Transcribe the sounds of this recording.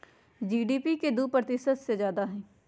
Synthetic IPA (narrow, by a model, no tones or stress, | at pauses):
d͡ʒiːɖiːpiked̪upɾət̪ɪsət̪sezjaːd̪aɦɛ̃ː